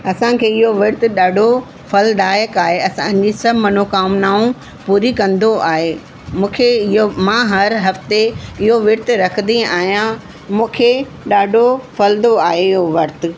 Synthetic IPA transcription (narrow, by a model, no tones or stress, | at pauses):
ɐsãkʰeːɪɦoʋɪɾt̪ʊ̆ɗaːɖʱo | fɐlɗaːjəkaːɦeɐsãd͡ʑisɐbmɐnokaːmnaːũ | puːɾikɐ̃nd̪oʔaːɦeː | mũːkʰeɪɦomãɦɐɾɦɐft̪eɪɦoʋɪɾt̪ʊɾɐkʰənd̪iaːɦijã | mũːkʰe | ɗaːɖʱofɐld̪oaːɦeɪɦoʋɐɾt̪ʊ̆